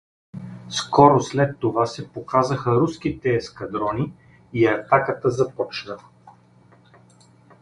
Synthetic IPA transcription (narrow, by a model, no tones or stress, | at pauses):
skɔɾoslɛt̪ːovasɛpokazəxəɾuskit̪ɛːskɐd̪ɾɔni | iɐt̪akət̪əzɐpɔt͡ʃnə